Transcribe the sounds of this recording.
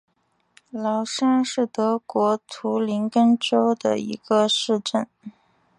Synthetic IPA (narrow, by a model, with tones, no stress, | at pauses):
lɑ˧˥ʊʂa˥nʂɻ̩˥˩t̪ɤ˧˥kwɔ˧˥t̪ʰu˧˥li˧˥ŋkə˥nʈ͡ʂo˥ʊd̪ə̰˨˩ḭ˧˥ɡə˧ʂɻ̩˥˧ʈ͡ʂə˥˩n